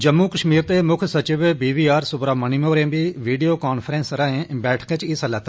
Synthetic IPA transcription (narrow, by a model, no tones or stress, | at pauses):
d͡ʒəmːuːkəʃmiːɾt̪eːmʊkʰsət͡ʃɪʋbiːʋiːaːɾsʊbɾaːmənimoːɾẽːbiːʋiːɖijoːkaːnpʰəɾẽːnsɾaːẽːbɛːʈʰket͡ʃisəlɛːt̪a